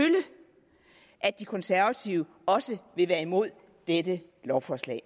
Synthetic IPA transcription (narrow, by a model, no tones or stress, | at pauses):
ylə | ʔæd̥ikʰɔ̽nsæɐʋæt͡sʰiʊə | ɒ̽səʋe̝ʋæːɐimo̝ð̞̰ˠ | d̥edə | lɒʊfɒslɛ̰ɪ